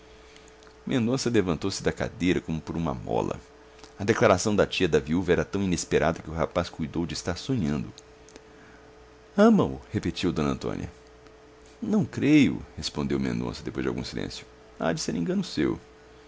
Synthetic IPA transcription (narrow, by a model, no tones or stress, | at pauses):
mẽnd̪õsɐlevɐ̃nt̪owsɪd̪ɐka̰d̪ejɾɐkõmʊpoɾũmɐ̰mɔ̰lɐ̰ | ɐd̪eklaɾasɐ̃w̃d̪ɐt͡ʃiɐd̪ɐviuvɐɛɾɐt̪ɐ̃w̃inespeɾad̪ɐkɪʊɦapaskujd̪owd͡ʒɪist̪aɾsõɲɐ̃nd̪ʊ | ɐ̃mɐʊ̰hepet͡ʃiwd̪õnɐ̃t̪õ̰niɐ̰ | nɐ̃w̃kɾejʊ̰hespõnd̪ewmḛ̃nd̪õ̰sɐd̪epojzd͡ʒɪa̰wɡṵ̃silḛ̃sjʊ̥ | a̰d͡ʒɪseɾẽɡɐ̃nʊsḛw